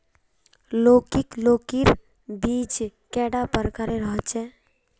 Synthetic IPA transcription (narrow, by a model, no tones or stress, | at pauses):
lokiklokiɾ | bid͡ʒkɛɽapəɾkəɾeɾəɦət͡ʃɛ